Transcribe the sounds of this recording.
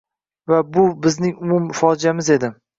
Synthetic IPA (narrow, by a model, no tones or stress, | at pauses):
vabʊbɪznɪŋʊmʊmfɒd͡ʒiamɪze̞d̪ɪ